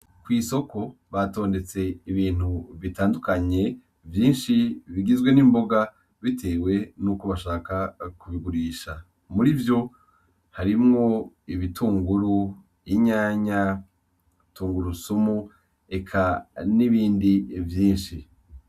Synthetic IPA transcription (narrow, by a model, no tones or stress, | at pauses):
kwiːso̞ko̞βato̞ːnde̞t͡se̞iβiːn̥huvitaːndukaɲe̞ | vjiːnʃiβiɡizɡwe̞nimbo̞ɡa | βitʰe̞ːwe̞nukuβaʃaːkakuβiɡuɾiːʃa | muɾivjo̞ | haɾimŋo̞ | iβitʰuːŋɡuɾu | iɲaːɲa | tʰuːŋɡuɾusumu | e̞kʰaniβiːndivjiːnʃi